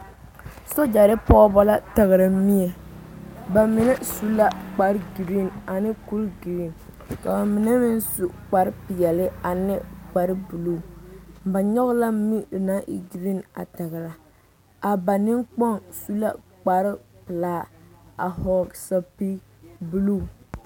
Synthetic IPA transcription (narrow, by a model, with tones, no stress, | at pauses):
so˦d͡ʒa˨ɾɪ˦pɔ˦bɔ˦la˦ta˨ɣɪ˨ɾa˨˦mi˦ɛ˨ | ba˨mɪ˨nɛ˦su˦la˦k͡pa˨ɾɡi˨ɾi˦˨na˨nɪ˦ku˦lɡi˨ɾi˦n | ka˨ba˨mɪ˨nɛ˦mɪ˦n˦su˨k͡pa˨ɾɪ˦pɪ˨jɛ˨lɪ˦a˨nɪ˦k͡pa˨ɾɪ˦bu˨lu˦˨ba˨ɲɔ˦ɣla˦mi˦˨na˦ʔi˦ɡɾi˦na̰˨ta˨ɣɪ˨ɾa˨ | a˨ba˨nɪ˦ŋk͡pɔ˦ŋsu˦la˦ | k͡pa˨ɾɪ˦pɨ˨laː˦a˨hɔ˨ɡsa˦pi˦ | bu˦lu˦˨